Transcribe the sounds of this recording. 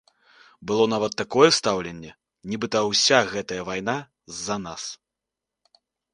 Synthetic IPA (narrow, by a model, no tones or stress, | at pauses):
bɨlˠɔnavɐt̪ːakɔjɛst̪awlʲenʲːɛ | nʲibɨt̪ɐwsʲaɣɛt̪ɐjɐvajna | zːɐnas